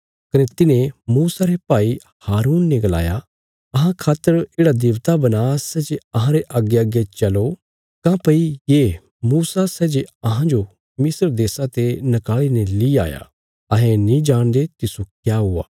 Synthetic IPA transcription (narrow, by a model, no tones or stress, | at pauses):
kɐnet̪ɪnẽmuːsaɾepaːi | haːɾuːnːeɡɐla̰ːja | ɐɦãkʰaːt̪ːəɾeːɽad̪ɪːʋt̪abɐnaːsɛːd͡ʒeɐɦãɾeʔaːɡːeaɡet͡ʃɐlo | kãpɐijeː | muːsasɛːd͡ʒeɐɦãd͡ʒo | mɪsəɾd̪eːsat̪enɐkaːɭinelia̰ːja̰ | ɐɦɛ̃nĩd͡ʒaːɽ̃d̪et̪ɪsukjaːɦʊa̰ː